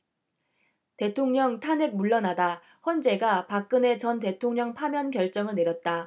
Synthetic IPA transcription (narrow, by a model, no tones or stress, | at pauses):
te̞tʰoŋɲʌŋtʰanek̚muɭːʌnada | ɸwʌnd͡ʑe̞ɡapak̚k͈ɯne̞t͡ɕʌnt̬e̞tʰoŋɲʌŋpʰamjʌnkjʌɭt͡ɕ͈ʌŋɯɭne̞ɾjʌt̚t͈a